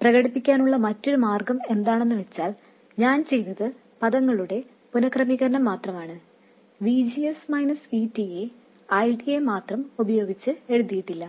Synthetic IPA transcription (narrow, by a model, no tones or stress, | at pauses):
prɐɣɐɽipːikʲːaːnuɭːɐmɐtːo̞ɾumaːrɡɐme̞nd̪aːɳe̞nːɨʋet͡ɕːaːl | ɲaːnt͡ɕe̞jnɐðɨ | pɐðɐŋːɐɭuɽe̞ | punɐkrɐmiɣɐɾɐnɐmːaːt̪rɐmaːɳɨ | ʋid͡ʑiesmɐjnɐsitːie | ɐjʈiemaːt̪rɐmubɐjo̞ːɡit͡ɕːɨe̞ɻuðijiʈːilːɐ